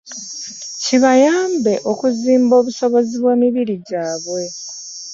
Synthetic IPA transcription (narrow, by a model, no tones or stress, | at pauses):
ciβajaːmbe̞ʔo̞kuziːmbo̞ːβuso̞βo̞ziβwe̞ːmiβiɾiɟaːβwe̞